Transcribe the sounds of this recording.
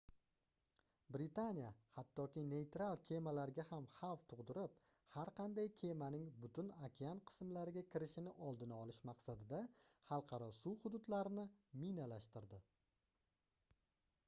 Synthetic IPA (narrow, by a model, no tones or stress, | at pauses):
bɾɪt̪anijahat̪ʰːɒkʲɪne̞jt̪ɾalˠkʲʰe̞malaɾɡʲahamhɑwft̪ʰʊʁd̪ɪɾɪp̚ | haɾqʰɑnd̪ajkʲʰe̞manɪŋbʊt̪ʰʊnakʲʰanqʰɨ̥smlaɾɪɡʲakʲʰɪɾɪʃɪnɪʔɒlˠd̪ɪnaɒlɪʃmɑqsad̪ɪd̪ahɑlˠqʰɑɾɒsuhʊd̪ʊd̪laɾɪnɪminalaʃt̪ɪɾd̪ɪ